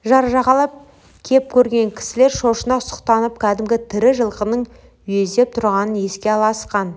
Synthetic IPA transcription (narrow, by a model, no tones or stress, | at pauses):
ʒɑɾʒɑʁɑlˠɑp̚ | kʲʰe̞p̚kʲʰɵɾɡʲe̞ŋkʲʰɪ̥sɪle̞ɾʃo̞ʃənɑʊsə̥qt̪ɑnəp̚kʲʰæd̪ɪmɡʲɪt̪ʰɪɾɪʒəlˠqənəɴ | ʏjezd̪e̞p̚t̪ʰʊɾʁɑnənje̞skʲe̞ɑlˠɑsqɑn